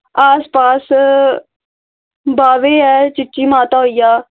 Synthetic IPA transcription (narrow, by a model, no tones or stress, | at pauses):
aːspaːs | baːʋeːɛːt͡ʃɪʈʃiːmãːt̪aːɦoijaː